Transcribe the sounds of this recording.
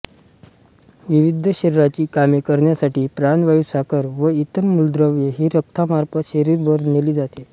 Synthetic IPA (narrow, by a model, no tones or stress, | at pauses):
ʋiʋid̪ʱəɕəɾiɾat͡ɕiːkamikəɾɳjasaʈiːpɾanʋajusakəɾʋəit̪ənmuld̪ɾəʋjeɦiːɾək̚t̪ʰamaɾpəɕəɾiɾbəɾneliːd͡zat̪e